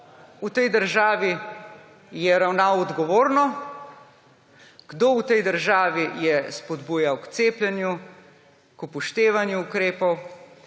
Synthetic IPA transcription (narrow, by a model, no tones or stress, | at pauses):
ut̪ɛjd̪əɾʒaːʋi | jɛɾawnaːwɔd̪ɡɔʋoːɾnɔ | ɡ̥d̪owt̪ɛjd̪əɾʒaːʋijɛspɔd̪buːjawkt̪seːplʲjɛnju | kupɔʃt̪eːʋanjuːkɾeːpɔw